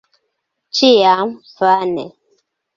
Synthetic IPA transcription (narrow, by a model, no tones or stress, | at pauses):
t͡ʃijamfanɛ̰